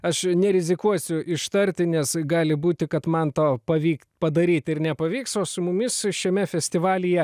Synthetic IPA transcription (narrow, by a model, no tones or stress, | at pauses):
ɐʃnʲɛɾʲɪzʲɪkuɔsʲʊʔɪʃt̪ɐɾʲrʲt̪ʲɪnʲɛsɡɑːlʲɪbuːt̪ʲɪkɐt̪mɐnt̪oːpɐʋʲiːktpɐd̪ɐɾʲiːt̪ʲɪrnʲɛpɐʋʲiːksoːsʊmʊmʲɪsʃʲɛmʲɛfʲɛsʲt̪ʲɪʋɑːlʲɪjɛ